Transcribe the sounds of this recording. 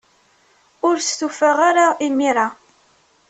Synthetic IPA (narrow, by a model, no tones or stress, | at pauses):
ʊɾsθufəʁaɾaimiɾa